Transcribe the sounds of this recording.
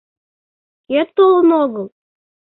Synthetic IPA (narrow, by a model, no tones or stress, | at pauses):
et̪ːolˠənoɣəlˠ